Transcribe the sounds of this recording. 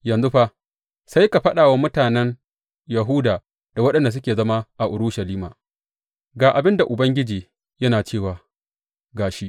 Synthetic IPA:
jɐ˨nzʊ˦ɸa˦ | sa˦jka˨ɸɐ˦ɗaː˨wa˦mʊ˦taː˨nɛ˦n | jɐ˨ɦʊː˦daː˨ | d̥a˨wɐ˦ɗɐ˨nda˨s̬ʊ˦kʲeː˨zɐ˦ma˦ʔa˨ʔʊ˨ɾʊ˦ʃa˨liː˦ma̰ː˨ | ɡaː˨ʔa˨bɪ˦nda˨ʔʊ˨bɐ˦ŋɡʲɪ˦d͡ʒiː˨ | jɐ˦naː˨t͡ʃeː˦˨waː˨ | ɡaː˨ʃi˦ʔ

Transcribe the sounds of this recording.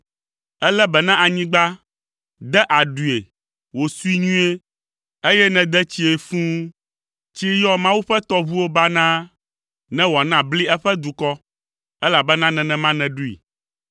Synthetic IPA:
ɛ˦lɛ˦bɛ˨nã˦ʔa˨ɲĩ˦ɡ͡ba˦ | d̪ɛ˦ʔa˨ɖu˨e˨ | wo˨su˦i˦ɲũ˦e˦ | e˦jɛ˦nɛ̃˨d̪ɛ˦t͡ɕi˦e˨fũ˦ | t͡ɕi˦jɔ˦mã˦wu˦ɸɛ˦t̪ɔ˦βu˦wo˦ba˦nã˦ | nɛ̃˦wo˨a˨nã˦bli˦ɛ˦ɸɛ˦d̪u˨kɔ˦ | ɛ˦la˨bɛ˦nã˦nɛ̃˨nɛ̃˨mã˦nɛ̃˨ɖu˦ḭ˨

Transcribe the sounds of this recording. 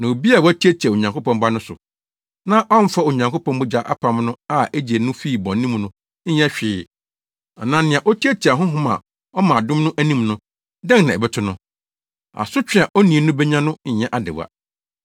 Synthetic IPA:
nã˨o˨bi˦a˨wɔ˦æ˦tʰi˦æ˦tʰi˨a˨o˨ɲã˨ŋko˦pɔ̃˦mba˦nʊ̃˦sʊ̰˨ | nã˦ʔɔ˦n̩˦fa˦o˨ɲã˨ŋkʰo˦pʰɔ̃˦mbʊ˦d͡ʑa˨˦ʔa̰˦pʰã˨mnʊ̃˦a˦ɛ˦d͡ʑi˨e˨nʊ̃˦fi˦˨bɔ̃˨n˦nĩ˦mnʊ̃˦ | ɲɛ̃˦ɕᶣɪː˨˦˨ | a˨nã˦nɪ̃˨ã˨ʔɔ˦tʰi˦æ˦tʰi˨a˨ɦʊ̃˦ɦʊ̃˦mã̰˨ | ɔ˦mã˨dʊ̃˦mnʊ̃˦ʔæ˦nĩ˦mnʊ̃˦ | dɛ̃˦ŋ˨nã˨ɛ˨bɛ˦tʰʊ˦nʊ̃˦ | a̰˨sʊ˦t͡ɕᶣɪ̃˦a˨ʔɔ˦nĩ˨e˨nʊ̃˦bɛ˦ɲã˦nʊ̃˦ɲ̩˨ɲɛ̃˦ʔa˨dɪ̰˨wa̰˨

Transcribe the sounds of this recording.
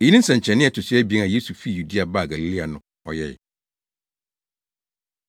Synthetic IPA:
e˨˦nĩ˦n̩˦sã˨ɲ˨t͡ɕʰɛ̃˨nɪ̃˦ɛ˨tʰʊ˨sɪ˦ɛ˦bi˨ɛ̃˦na˨je˦su˨fi˦˨ju˨di˦a˨ba˦˨ɡa˨li˨li˦a˨nʊ̃˨ | ɔ̰˨jɛ̰˦˨

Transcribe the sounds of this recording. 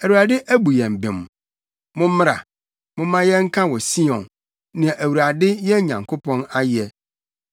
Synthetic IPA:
æ˨wu˨ɾa˨dɪ˦ʔæ˦bu˨jɛ̃˨m̩˨bɪ̃˨m˨ | mʊ̃˦mɪ˦ɾa̰˨ | mʊ̃˦mã˦jɛ˦ŋ̩˦kʰã˦wɔ˨si˦ɔ̃˨n | nã˨ʔæ˨wu˨ɾa˨dɪ˦jɛ˦ɲã˨ŋkʰo˦pʰɔ̃˦na˦jɛ˦

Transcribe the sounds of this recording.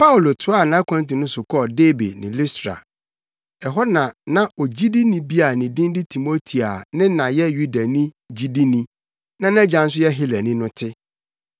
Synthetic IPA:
pa˦u˨lo˨tʰʊ˦a˦˨nã˦kʷʰã˦ntɪ̃˨nʊ̃˦sʊ˨kʰɔ˦˨deː˦bḛ˨nɪ̃˨li˦stɾa̰˨ | ɛ˨ɦɔ˦nã˨nã˦ɔ˨d͡ʑi˦di˦nĩ˨bi˦a˨nĩ˨dĩ˦n˦dɪ˦tʰi˨mo˦tʰi˨a˨nɪ̃˦nã˨jɛ˦ju˦da˨nĩ˦ | d͡ʑi˦di˦nĩ˦ | nã˦n˦ã˦d͡ʑã˨n̩˦s̬ʊ˦jɛ˦ɦɪ˦læ˨nɪ̃˦nʊ̃˦tʰɪ˦

